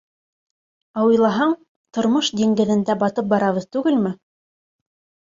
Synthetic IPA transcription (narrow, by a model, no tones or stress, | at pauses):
ɑwɤ̆jlˠɑɦɑɴ | t̪ŏɾmoʃd̪iŋɡɘ̆ðɘ̆nd̪æbɑt̪ɤp̚bɑɾɑβɤðt̪ʉɡɘlmɘ